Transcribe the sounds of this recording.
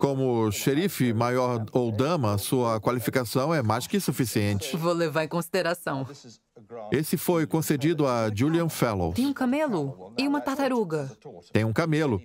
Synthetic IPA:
kõmʊʃeɾifɪmajɔɾowd̪ɐ̃mɐːsuɐkwalifikasɐ̃w̃ɛmajʃkɪsufisiẽnt͡ʃɪ̥vowlevaɾẽkõsid̪eɾasɐ̃w̃ | esɪfojkõsed͡ʒid̪ʊad͡ʒuliɐ̃fɛlo̰ẽj̃ũkamelʊɪũmɐt̪at̪aɾuɡɐt̪ẽj̃ũkamelʊ

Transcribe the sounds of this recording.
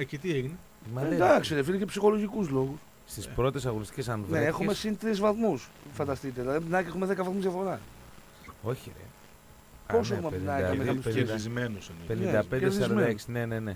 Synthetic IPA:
ecet̪ieɣine | mɐakseɾɐfiɾikepsixoloʝikuzloɣus | st̪ispɾot̪es̬ɐɣonist̪icʲes̬ɐnvneexumesint̪ɾizvɐθmus | fɐnd̪ɐst̪it̪elɐpinaexumeðekɐvɐθmuzjɐfoɾɐ | oçḛ | poseumɐinɐɐmeɐusizmenusɐnipenined̪ɐpeneɾsðiɐzɐmeɐeksinenene

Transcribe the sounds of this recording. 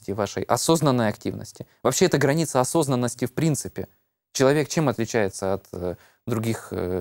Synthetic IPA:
tʲɪvaʂə̰jʔɐso̞znənːəjɐktʲivnə̰sʲtʲɪ | vɐpɕːeɛt̪əɡɾɐnʲit̪səɐso̞znənːəsʲtʲɪfpɾʲint̪sɨpʲɪ | t͡ɕɪlˠɐvʲe̞kt͡ɕe̞mɐt̪lʲɪt͡ɕæjɪt̪səɐt̪ | d̪ɾʊɡʲix

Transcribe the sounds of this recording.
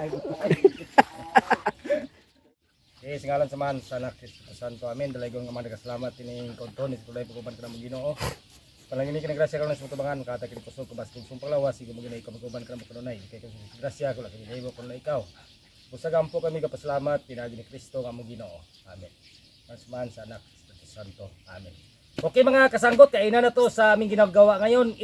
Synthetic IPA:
esiŋalansamaːnsanakɾist̪opusant̪oamɛnd̪alaiɡunŋamaŋdakasalamat̪iniŋkɔnt̪ɾɔlnisit̪unaipaɡoubankanamuɡinoʔo | panlaɡinikinaɡɾasiakalonajsumat̪ubaŋankat̪akinipusɔkabast̪iŋsumpalawasiɡamuɡinoikapaɡubankanamokanonainikakamiɡɾasiakulakininaibokanonaikau | musaɡampokamiɡapasalamat̪̚pinaɡinikɾist̪oŋamuɡinoʔo | a̰mɛn | masmansaːnak̚spiɾt̪usant̪o | a̰mɛn | okemaŋakas̬aŋɡɔt̪̚kainanat̪osaːmiŋɡinauɡawaŋajon

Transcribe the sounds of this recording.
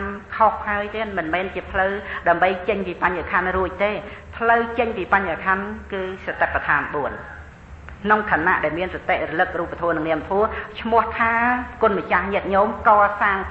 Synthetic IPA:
mkʰohhaəjt̪iənmɨnmɛːnt͡ɕiəpʰləwɗaəmɓəjt͡ɕəɲpiːpaɲakʰanruəc̚t̪eː | pʰləwt͡ɕəɲpiːpaɲhakʰankɨːsat̪apːat̪ʰaːnɓuən | kʰnoŋkʰaːna̰ʔɗaɛlmiənsat̪eʔrɔlɨk̚ruːp̚ːat̪ʰɔənɨŋniəmt̪ʰuət͡ɕʰmʊ̆əht̪ʰaːkʊ̆ənmət͡ɕahɲɛət̪̚ɲoːmkɑːsaːŋ

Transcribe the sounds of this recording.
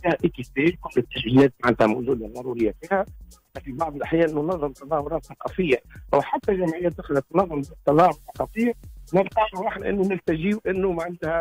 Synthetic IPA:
fiːhæʔikisekʊlːɪt̪ːaʃɡinɛːt̪̚maʕɪnt̪hæmawʒuːd̪aðˤɑɾˤuːɾɪjːafiːhæat̪ːæfibɑʕd̪ˤəlʔaħjæːʔɪnːunɑðˤːɑmt̪ɑðˤɑːhʊɾɑːt̪θɑqɑfɪjːawħat̪ːæʒæmʕɪjːæd̪axlæt̪mnɑðˤːɑmt̪ːɑðˤɑːhʊɾθɑqɑfiːʕnɪlqɑɾʊɑħnʔɪ̰nːunɪlt̪aʒiːwʔɪnːumaʕant̪hæ

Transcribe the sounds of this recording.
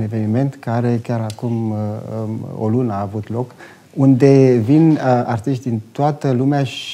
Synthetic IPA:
ne̞ve̞nime̞nt̪kaɾe̞kʲaɾakum | o̰lunəaːvut̪lo̞k | und̪e̞vina̰rt̪iʃt̪ʲd̪int̪oat̪əlumeaʃ

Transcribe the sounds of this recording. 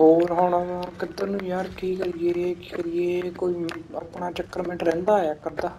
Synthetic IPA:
ɦoːɾɦoːɽaːd͡ʒãːkɪd̪aːnũːjaːɾkiːkəɾieːkkəɾɪeːkoːiːəpɳaːt͡ʃəkːəɾmɛ̃ɳʈɾɛ̃ːnd̪aːjaːkəɾd̪aː

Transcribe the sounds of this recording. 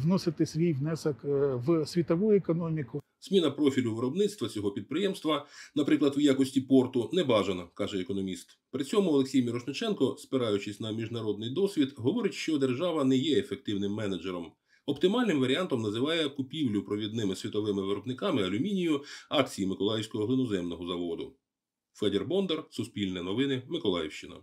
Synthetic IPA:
ʋnɔsɪt̪ɪsʲʋʲijʋnɛsɐkʋsʲʋʲit̪ɔʋujʊekɔnɔmʲikʊ | z̥mʲinɐpɾɔfʲilʲʊʋɪɾɔbnɪt̪st̪ʋɐt͡sʲɔɦɔpʲid̪̚pɾɪjɛmst̪ʋɐnɐpɾɪklˠɐd̪wjakɔsʲtʲipɔrt̪ʊnɛbɑʒɐnɐkɑʒɛekɔnɔmʲist̪ | pɾɪt͡sʲɔmʊɔlˠeksʲijmʲiɾɔʃnʊt͡ʃɛnkɔspɪɾɑjʊt͡ʃɪsʲnɐmʲiʒnɐɾɔd̪nɪjd̪ɔsʲʋʲid̪ɦɔʋɔɾɪtʲʃt͡ʃɔd̪e̞rʒɑʋɐnɛjɛefek̚t̪ɪwnɪmːɛnɐd͡ʒeɾɔm | ɔpt̪ɪmɑlʲnɪmʋɐɾʲiɑnt̪ɔmnɐzɪʋɑjɛkʊpʲiwlʲʊpɾɔʋʲid̪nɪmɪsʲʋʲit̪ɔʋɪmɪʋɪɾɔbnɪkɑmɪɐlʲʊmʲinʲijʊɑkt͡sʲijimɪkɔlˠɑjɪwsʲkɔɦɔɦlˠɪnɔzɛmnɔɦɔzɐʋɔd̪ʊ̰ | fɛd̪erbɔnd̪ersʊspʲilʲnɛnɔʋɪnɪmɪkɔlˠɑjɛ̰wʃt͡ʃɪnɐ̰

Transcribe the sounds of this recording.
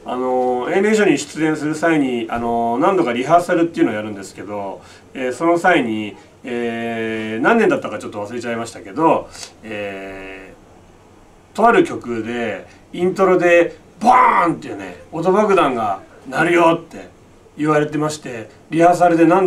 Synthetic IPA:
a̰no̞ẽ̞meɕ̬oɲ̟iɕɨ̥t͡sɨẽɰ̃sɨɾɯ̟saiɲ̟iano̞nãnd̪o̞kaɾʲiɦasaɾɯ̟t̪ːeiɯ̟noːjaɾɯ̟̃nd̪e̞sɨ̥ke̞d̪o̞ | eːso̞no̞saiɲ̟i | eː | nãnːẽnd̪at̪ːakat͡ɕo̞t̪ːoβasɨɾe̞t͡ɕaimaɕi̥t̪ake̞d̪o̞eː | t̪o̞βaɾɯ̟kʲo̞kɯ̟d̪e̞ | ĩnt̪o̞ɾo̞d̪e̞ | bant̪ːejɯne̞̰ot̪̬o̞bakɯ̟d̪ãŋɡa | naɾɯ̟jo̞t̪ːe̞ | iβaɾe̞t̪e̞maɕi̥t̪e̞ | ɾʲihas̬aɾɯd̪e̞nãn

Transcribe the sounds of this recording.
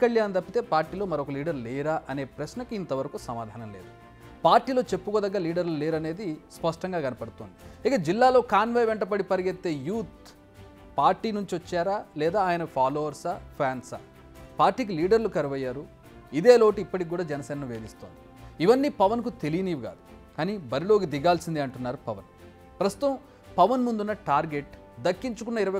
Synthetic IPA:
kɐɭjaːnd̪ɐpːit̪e̞ːpaːɾʈːiːlo̞ːmɐɾoɔkɐliːɖɐɾlɛːɾaːʔɐne̞ːpɾɐsnɐkiint̪ɐʋɐɾɐkusɐmaːd̪ʱaːnɐmle̞ːd̪u | paːɾʈːiːlo̞ːt͡ʃe̞pːukoːd̪ɐɡːaːliːɖɐɾluleːɾɐne̞ːd̪ispɐʂʈɐŋɡaːɡɐnɐpɐɽut̪oːnd̪iikɐd͡ʒilːaːlo̞ːkaːnʋɐjʋeɳʈɐpɐɽipɐɾiɡet̪ːe̞ːjuːt̪̚ | paːɾʈiːnuɲt͡ʃiʋɐt͡ʃːaːɾaːlɛːd̪aːaːjɐnɐpʰaːloːʋɐɾsapʰjaːnsɐ | paːɾʈiːk̬iliːɖɐɾlukɐɾɐʋɐjːaːɾu | id̪eːlo̞ːʈiipːɐʈikk̬ːuːɽaːd͡ʒɛnɐsɛːnɐnuʋeːd̪ist̪oːnd̪i | iʋɐnːiːpɐʋɐnkut̪e̞lijiniːʋiɡa̰ːd̪u̥kaːniːbɐɾilo̞ːɡid̪iɡaːlsind̪iɐɳʈunːaːɾupɐʋɐn | pɾɐst̪u̥t̪ɐm | pɐʋɐnmund̪unːɐʈaːɾɡe̞ʈ | d̪ɐkːiɲt͡ʃukunːɐiɾɐɐ

